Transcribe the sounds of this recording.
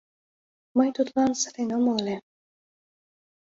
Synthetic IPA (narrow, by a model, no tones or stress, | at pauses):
mɤjt̪ut̪lɑnsə̥ɾenəmole